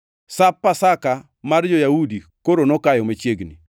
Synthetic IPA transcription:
sapːasaka | mard͡ʒojaudi | koɾonɔkajɔmet͡ʃjeɡni

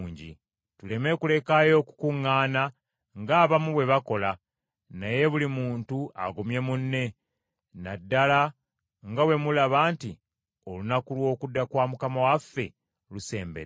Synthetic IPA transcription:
ɲɟḭ | tule̞me̞kule̞kajo̞ːku̥kuŋːaːna | ŋɡaːβamuβwe̞βako̞la | naje̞βulimuːntua̰ɡomje̞munːe̞ | nadːala | ŋɡawe̞mulaβaːnti | o̞lunakulwo̞ːkudːakwaːmukamawafːe̞̰ | luse̞ːmbḛɾ

